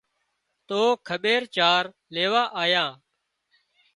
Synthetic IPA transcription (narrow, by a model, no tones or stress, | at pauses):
t̪oːkʰəɓeːɾt͡ʃaːɾ | leːʋaːʔaːjãː